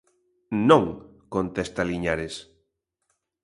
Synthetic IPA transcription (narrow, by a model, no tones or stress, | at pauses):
nõŋkont̪est̪aliɲaɾes